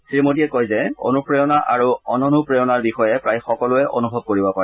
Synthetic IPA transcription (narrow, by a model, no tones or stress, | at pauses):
tɹimotiɛkojzɛo̰nupɹejɔnaʔaɹuɔnɔnupɹejɔnaɹbixɔjɛpɹajxɔkɔlʊɛʔo̰nubʱɔb̚koɹibɔpaɹɛ